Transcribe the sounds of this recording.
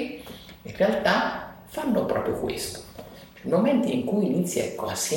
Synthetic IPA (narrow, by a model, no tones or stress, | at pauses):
inrealt̪afanːopɾɔ̰ːpɾjo̰kwḛst̪o̥ | ɛimoment̪iiŋkujinit̪sːjiɛ̰kːoasːjɛ